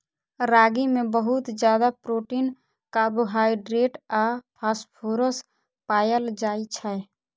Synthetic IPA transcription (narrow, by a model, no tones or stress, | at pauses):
ɾaːɡimẽbəɦʊt̪d͡ʒjaːd̪apɾoːʈiːn | kaːbuɦaːjɖɾeːʈaːpʰaːspʰoːɾəs | paːjəld͡ʒaːit͡ʃʰa